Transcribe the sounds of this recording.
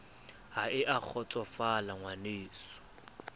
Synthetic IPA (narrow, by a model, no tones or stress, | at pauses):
ɦaɪʔak͡xʰɔt͡sʼɔfalaŋwaneːsɔ̥